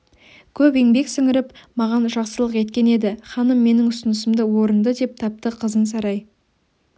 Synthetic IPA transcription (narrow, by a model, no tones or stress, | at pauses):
kʲʰɵpe̞ŋbe̞ksɪŋɪɾɪpmɑʁɑnʒɑqsəlˠəqe̞t̪kʲe̞ne̞d̪ɪχɑnəmːe̞nɪŋʊsənəsɪmd̪əwo̞ɾənd̪əd̪e̞p̚t̪ʰɑp̚t̪əqʰəzəns̬ɑɾɑj